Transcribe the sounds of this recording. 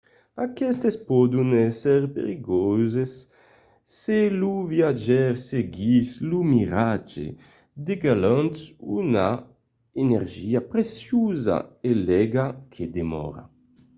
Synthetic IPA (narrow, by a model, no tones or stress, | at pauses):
akɛst̪espɔd̪unɛsɛɾpḛɾiɡɔzesː | eluvjad͡ʒɛɾseɡislumiɾad͡ʒḛ | d̪eɡalant̪una̰ | eneɾʒiapɾesjuza̰elɛɡakʰed̪emɔ̰ɾa̰